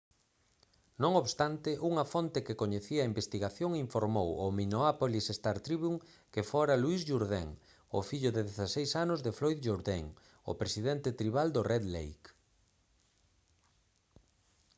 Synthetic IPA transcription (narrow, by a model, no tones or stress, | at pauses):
nõŋoβst̪ant̪ɪʔuŋɐfont̪ekekoɲeθiaːimbest̪iɣaθjoŋiɱfoɾmowʊminoapolisest̪aɾt̪ɾiβuŋ | kefoɾaluisʝuɾðḛŋ | ʊ̰fiʎʊðeðeθasejsanʊzðeflojðʒoɾðeŋ | ʊ̰pɾesiðent̪et̪ɾiβald̪ʊrɛðlḛjk